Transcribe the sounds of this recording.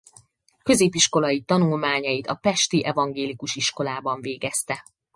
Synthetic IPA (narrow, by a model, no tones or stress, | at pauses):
kø̞zeːpiʃko̞lɒjit̪ɒnulmaːɲɒjit̪ɒpɛʃt̪iʔɛvɒŋɡeːlikuʃiʃko̞laːbɒɱveːɡɛst̪ɛ